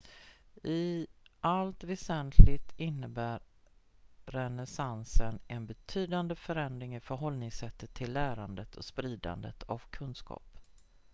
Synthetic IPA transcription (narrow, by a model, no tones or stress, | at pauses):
ʔɪʔalt̪vɛsɛnt̪ʰlɪɡt̪ʰɪnːəbæːɾː | ɛnɛsansənɛnbɛt̪ʰyːd̪and̪əfœɾɛnd̪ɾɪŋɪfœɾɦɔlnɪŋsɛt̪ːət̪ʰːɪlːæːɾand̪ət̪ʰɔspɾiːd̪a̰nd̪ət̪ʰa̰vkʰɵnskɑ̰ːp